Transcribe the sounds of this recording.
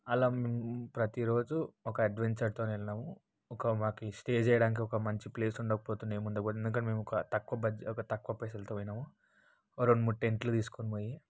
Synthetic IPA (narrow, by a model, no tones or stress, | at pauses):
ɐlaːmeːmupɾɐt̪iɾo̞ːd͡ʒuɔkɐɐɖʋeɲt͡ʃɐɾt̪oːnelɐnaːmu | ɔkɐmaːkisʈe̞ːd͡ʒɛːjɐɽaːnik̬iɔkɐmɐɲt͡ʃiple̞ːsuɳɖɐːkɐpoːt̪unemund̪ɐɡuend̪uk̬ɐnːme̞ːmɔkɐt̪ɐkʋɐbɐd͡ʒɔkɐt̪ɐkʋɐpesɐlɐt̪oɐjnaːmu | ɾonmuʈeɳʈlut̪iːsu̥konimoːji